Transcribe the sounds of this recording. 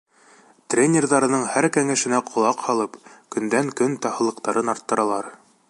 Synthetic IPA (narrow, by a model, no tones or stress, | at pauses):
t̪rʲenʲerðɑɾɤ̆nɤɴhæɾkæŋæʃɘ̆næqʰŏlˠɑqhɑlˠɤpkɵ̆nd̪æŋkɵnt̪ɑhɤ̆lˠɤ̆qt̪ɑɾɤnɑɾt̪ːɤ̆ɾɑlˠɑɾ